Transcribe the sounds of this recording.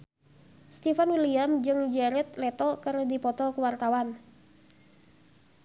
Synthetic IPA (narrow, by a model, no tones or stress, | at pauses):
st̪ifanwiliamd͡ʒɨŋd͡ʒɛɾɛt̪̚lɛt̪ɔkɨrdipɔt̪ɔkuwart̪awan